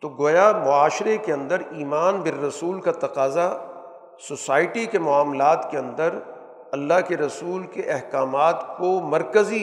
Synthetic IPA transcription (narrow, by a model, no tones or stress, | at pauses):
t̪oɡoːjamʊaːʃɾekeɐ̃nd̪əɾiːmaːnbɪɾːɐsuːlkat̪ɐqaːza | sosaːɪʈikemʊaːmlaːt̪keɐ̃nd̪əɾ | ɐlːaɦkeɾɐsuːlkeʔɛɦkaːmaːt̪komɐɾkəzi